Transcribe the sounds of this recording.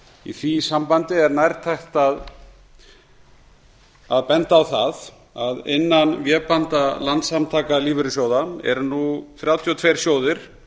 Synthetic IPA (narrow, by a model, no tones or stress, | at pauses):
ḭθvisampant̪ɪɛɾnajɾt̪ʰajxt̪að | aðpɛnt̪aːwθað | aðɪ̰nːanvjɛːpant̪alant̪samt̪ʰaːkaliːvʏɾʏsjoːwðaɛ̰ɾnuθɾjaːwt̪ʰiɔt̪ʰvejɾ̥sjoːwðɪɾ̥